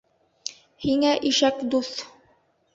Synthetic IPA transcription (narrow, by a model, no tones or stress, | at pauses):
hiŋæʔiʃækd̪uθ